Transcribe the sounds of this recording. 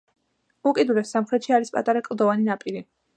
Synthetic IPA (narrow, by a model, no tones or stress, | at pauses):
ukʼid̪ulɛssamχɾɛt̪ʃiaɾispʼat̪ʼaɾakʼlˠd̪ɔvaninapʼiɾi